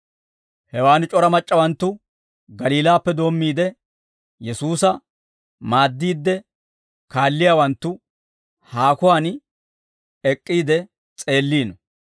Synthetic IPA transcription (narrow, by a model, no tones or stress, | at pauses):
hɛwaːnɪt͡ʃʼɔɾɐmɐt͡ʃʼːɐwɐnt̪ːʊ | ɡɐliːlaːpːɛd̪o̞ːmːiːd̪ɛ | jɛsuːsɐ | maːd̪ːiːd̪ːɛ | kaːlːɪjaːwɐnt̪ːʊ | haːkʊwaːn | ɛkʼːiːd̪ɛ | t͡sʼe̞ːlːiːnɔ